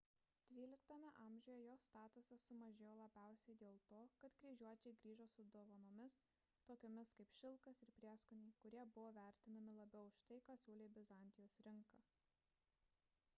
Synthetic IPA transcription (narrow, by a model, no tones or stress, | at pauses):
d̪̥ʲʋʲiːlʲɪkt̪ɐmʲɛʔɑːmʲʒʲʊjɛjoːst̪ɑːt̪ʊsɐsʊmɐʒʲeːjoːlˠɐbʲæˑʊsʲɛɪd̪ʲeːlˠt̪oːkɐt̪ɡɾʲiːʒʲuɔt͡ʃʲɛɪɡɾʲiːʒoːsʊd̪oːʋɐnoːmʲɪs | t̪oːkʲoːmʲɪskɐɪpʃʲɪlˠkɐsɪɾpʲɾʲiɛskʊnʲɛɪkʊɾʲiɛbʊʋoːʋʲæˑɾʲt̪ʲɪnɐmʲɪlˠɐbʲɛʊʃt̪ɐɪkaːsʲuːlʲeːbʲɪzɐˑnʲt̪ʲɪjoːsɾʲɪŋˑkɑ